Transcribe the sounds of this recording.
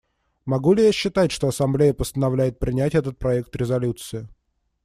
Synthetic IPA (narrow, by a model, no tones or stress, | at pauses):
mɐɡulʲɪjaɕːɪt̪atʲʂt̪oɐsɐmblʲejəpəst̪ənɐvlʲæjɪt̪̚pɾʲɪnʲætʲɛt̪ət̪̚pɾɐɛk̚t̪ɾʲɪzɐlʲut̪sɨɪ